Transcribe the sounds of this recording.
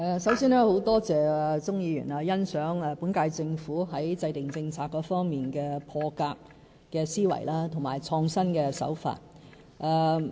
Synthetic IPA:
ɛː˨˧sɐ˨˥wsiː˥nɛː˥ho˨˥wt̪ɔː˥t͡sɛː˨˩ɛ˧t͡sʊ˥ŋjiː˨˧jy̰ː˨˩naː˧jɐ˥nsœː˨˥ŋɛ˧puː˨˥nkaː˧jt͡sɪ˧ŋfuː˨˥ɦɐ˨˥jt͡sɐ˧jt̪ɪ˨ŋt͡sɪ˧ŋt͡sʰaː˧kːɔː˧fɔː˥ŋmiː˨nkɛː˧pʰɔː˧kaː˧k̚ | kɛː˧siː˥wɐ̰˨˩jlaː˥t̪ʰŋmaː˨˩jt͡sʰɔː˧ŋsɐ˥nkɛː˧sɐ̰˨˥wfa̰ː˧t̚ | ʔaː˨˧

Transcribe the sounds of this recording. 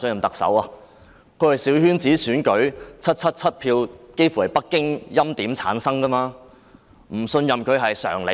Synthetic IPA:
sɵ˧njɐ˨mt̪ɐ˨k̚sɐ̰˨˥waː˧ | kʰɵ˨˧ɥhɐ˨jsiː˨˥whyː˥nt͡siː˨˥syː˨˥nkɵ˨˥ɥt͡sʰɐ˥t̚t͡sʰɐ˥t̚t͡sʰɐ˥t̚pʰiː˧wke˥jfu˨˥hɐ˨˩jpɐ˥kːɪ˥ŋjɐ˥mt̪iː˨˥mt͡sʰa̰ː˨˥nsɐ˥ŋkɐ˥maː˧ | m̩˨˩sɵ˧njɐ˨mkʰɵ˨˧ɥɦɐ˨jsœ̰ː˨˩ŋle˨˧

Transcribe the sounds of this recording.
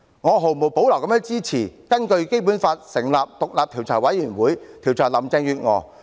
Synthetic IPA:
ŋɔː˨˧ɦo˨˩wmo˨wpo˨˥wlɐ˨˩wkɐ˧˥mjɛː˧˥ŋt͡siː˥t͡sʰiː˨˩kɐ˥nkɵ˧ɥke˥jp̬uː˨˥nfaː˧t̚sɪ˨˩ŋlaː˨p̚t̪ʊ˨k̚laː˨p̚t̪ʰi˨˩wt͡sʰɔː˨˩jwɐ˨˥jyː˨˩nwuː˨˥jt̪ʰiː˨˩wt͡sʰɔː˨˩lɐ˨˩mt͡sɛː˧ŋjyː˨˧t̚ŋɔː˨˧

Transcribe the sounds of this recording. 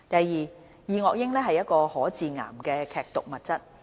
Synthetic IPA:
t̪ɐ˨jːiː˨˩ | jiː˨˧ŋɔː˨k̚jɪ˥ŋlɛː˥ɦɐ˨jɐ˥t̚kɔː˧hɔː˨˥t͡siː˨ŋa̰ː˨˩mkɛː˧kʰɛː˨k̚t̪ʊ˨k̚mɐ˨t̚t͡sɐ˥t̚

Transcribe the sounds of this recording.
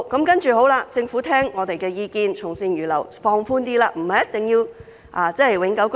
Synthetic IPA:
kɐ˨˥mkɐ˥nt͡ʃyː˨ɦo˨˥wlaː˧t͡sɪ˧ŋfu˨˥t̪ʰɛː˥ŋːɔː˨˧t̪e˨jkɛː˧jiː˧kiː˧nt͡sʰʊ˨˩ŋsiː˧njyː˨˩lɐ̰˨˩wfɔː˧ŋfuː˥nt̪iː˥laː˧m̩˨˩hɐ˨jɐ˥t̪ɪ˨ŋjiː˧w | ʔaː˨˧t͡sɛː˥˨jwɪ˨˥ŋkɐ˨˥wk

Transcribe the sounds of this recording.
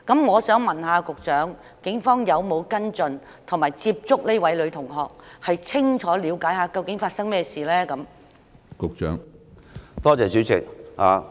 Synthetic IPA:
kɐ˨˥mŋɔː˨˧sœː˨˥ŋmɐ˨˩nɦaː˨˧kʊ˨k̚t͡ʃœː˨˥ŋ | kɪ˨˥ŋfɔː˥ŋjɐ˨˧wmo˨˧wkɐ˥nt͡sɵ˨˧n | t̪ʰʊ˨˩ŋmaː˨˩jt͡siː˧p̚t͡sʊ˥k̚leː˥wɐ˨˥jlɵ˨˧ɥt̪ʰʊ˨˩ŋɦɔː˨k̚hɐ˨jt͡sʰɪ˥ŋt͡ʃʰɔː˨˥liː˨˧wkaː˨˥jhaː˨˧kɐ˧wkɪ˨˥ŋfaː˧t̚sɐ˥ŋmɛː˥siː˨lɛː˥kɐ˨˧˥m | kʊ˨k̚t͡ʃœ̰ː˨˥ŋ | t̪ɔː˥t͡sɛː˨t͡ʃyː˨˥t͡sʰɪ˨k̚haː˨˧

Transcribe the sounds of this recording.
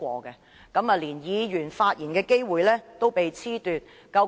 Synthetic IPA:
ɔ̰ː˧kɛ˧ | kɐ˨˥mɐ˨liː˨˩njiː˨˧jyː˨˩nfaː˧t̚jiː˨˩nkɛː˧ke˥jwuː˨jlɛː˥t̪o˥wpe˨jt͡sʰiː˥t̪yː˨˧t̚ | kɐ˧w

